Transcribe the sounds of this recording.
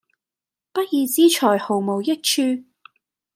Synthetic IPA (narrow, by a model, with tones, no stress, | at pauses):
pɐ˥t̚jiː˨˧t͡siː˥t͡ʃʰɔː˨˩jho˨˩wmo˨wjɪ˥k̚t͡ʃʰyː˧